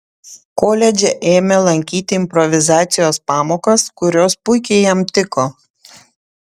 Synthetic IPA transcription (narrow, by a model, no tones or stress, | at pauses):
koːlʲɛd͡ʒʲɛʔeːmʲɛlˠɐŋʲkʲiːt̪ʲɪɪmʲpɾɔʋʲɪzɑːt̪sʲɪjoːspɑːmoːkɐskʊɾʲoːspʊɪkʲɛɪjɛmt̪ʲɪkoː